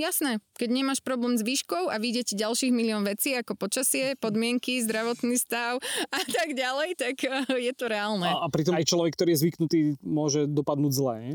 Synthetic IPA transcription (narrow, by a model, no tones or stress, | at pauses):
jasnɛkɛɟɲɛmaʃpɾɔblɛːmzʋiːʃkɔʊaʋiɟɛciɟalʃiːɣmiliɔnʋɛt͡siːakɔpɔt͡ʃasɪɛpɔd̪mɪɛŋkizd̪ɾaʋɔt̪nist̪aʊat̪aɡɟalɛjt̪akjɛt̪ɔɾɛalnɛapɾit̪ɔjt͡ʃlɔʋɛkːt̪ɔɾiːjɛzʋiknut̪iːmʊɔʒɛd̪ɔpad̪nuːɟzlɛɲɛ